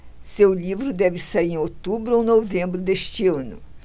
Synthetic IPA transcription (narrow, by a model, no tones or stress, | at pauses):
sewlivɾʊd̪ɛvɪsaieẽot̪ubɾʊownovẽmbɾʊd̪eʃt͡ʃɪɐ̃nʊ̰